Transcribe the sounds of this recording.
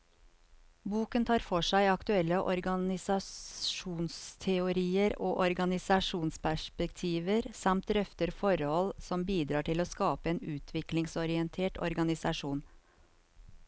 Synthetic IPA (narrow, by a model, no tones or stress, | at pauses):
buːkənt̪ʰɑːɾfɔʂæɪɑkt̪ʉɛlːəʔɔ̰ɾɡɑnɪsɑʃuːnst̪ʰɛʊɾiːəɾoːʔɔɾɡɑnɪsɑʂuːnspʰæʂpɛkt̪ʰiːʋəɾsɑmt̪ɾœft̪əɾfɔɾhɔlsɔmbiːd̪ɾɑːʈʰɪloːskɑːpəeːnʉːt̪ʰʋɪklɪŋsɔɾɪɛnt̪ʰeːʈɔ̰ɾɡɑnɪsɑʂuːn